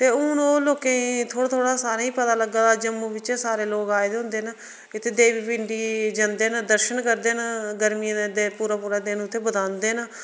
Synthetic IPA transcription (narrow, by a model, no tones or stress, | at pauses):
t̪eːʊnoːloːkẽit̪ʰoːɽaːt̪ʰoːɽaːsaːɾaːĩːpət̪aːləɡːaːd̪aːd͡ʒəmːũːʋɪt͡ʃːsaːɾeːloːkaːjd̪eɦʊnd̪eːna | ɪt̪ʰːeːd̪eːʋiːpɪɳɖiːd͡ʒənd̪eːnəd̪əɾʃənkəɾd̪eːnɡəɾmiãd̪eːpuːɾaːpuːɾaːd̪eːnũːt̪ʰːeːbəd̪ãːnd̪eːna